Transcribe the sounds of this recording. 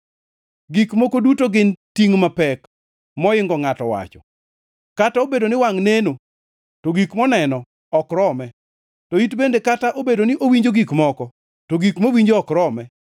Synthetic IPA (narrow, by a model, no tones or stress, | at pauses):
ɡikmokodutoɡɪntiŋmapɛk | mɔɪŋɡɔŋatɔwa̰t͡ʃɔ̥̰ | kataobedonɪwaŋneno | toɡikmɔnɛnɔ | ɔkɾɔmɛ | tɔitbendekataʔobedonɪʔowiɲd͡ʒoɡikmɔkɔ | toɡikmowiɲd͡ʒoɔkɾɔmɛ